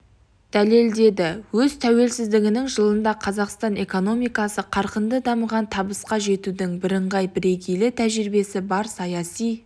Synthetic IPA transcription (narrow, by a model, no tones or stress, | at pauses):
d̪̥æle̞ld̪e̞d̪ɪwɵzt̪ʰæwe̞lsɪzd̪ɪɡʲɪnɪŋʒəlˠənd̪ɑqʰɑzɑqst̪ɑne̞ko̞no̞mijkɑsəqʰɑɾqənd̪əd̪ɑməʁɑnt̪ʰɑbəsqɑʒe̞t̪ud̪ɪŋbɪɾəɴʁɑjbɪɾe̞ɡʲejlɪt̪ʰæʒɪɾɪbe̞sɪbɑɾsɑjɑsij